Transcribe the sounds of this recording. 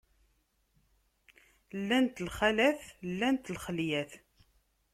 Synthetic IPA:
lːænt̪lχælæθlːænt̪lχəljæθ

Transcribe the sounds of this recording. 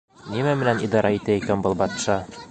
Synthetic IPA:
nimæmɘ̆nænid̪ɑɾʔɑit̪æikænbɤlˠbɒt̪ʃɑ

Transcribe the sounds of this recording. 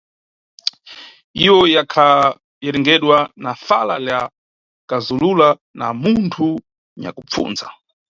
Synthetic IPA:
iwɔjakʰa | jɛɾɛŋɡɛɗwanafalalja | kazulula | na̰muntʰu | ɲa̰kup̪p͡fṵːnza

